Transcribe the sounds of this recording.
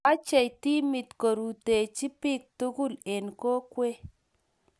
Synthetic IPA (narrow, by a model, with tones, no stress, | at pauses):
a˦t͡ʃe˨jti˦mi˨tko˨ɾu˨te˨t͡ʃi˦pi˦k̚tu˦ku˦le˨nko˦kwe˦